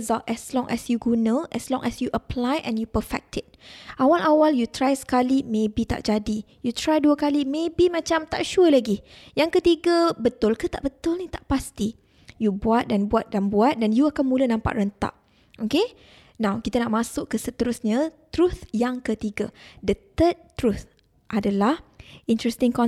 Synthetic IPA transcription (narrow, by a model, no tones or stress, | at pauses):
zaʔɛslɔŋʔɛsjuɡunaʔɛslɔ̃ŋʔɛsjuʔəplajʔɛ̰̃njupəfɛ̰k̚tʰɪt̚ʔawalʔawaljut̪ɾajsə̥kalimẽbit̪a̰ʔd͡ʒadi | jut̪ɾajduakalimẽbimãt͡ʃamt̪a̰ʔʃuəlaɡi | jaŋkət̪iɡabət̪ʊlkət̪aʔbət̪ʊlnĩt̪aʔpast̪i | jubuat̪̚danbuat̪̚danbuat̪̚danjuakanmũlənãmpa̰ʔrənt̪a̰ʔ̚ | ʔoke | nãwkit̪anaʔmãsʊkːəsət̪əɾʊsɲat̪ɾuθjaŋkət̪iɡadət̪əd̚t̪ɾut̪ | ʔadalahint̪ɾɛst̪ɪ̃ŋkɔ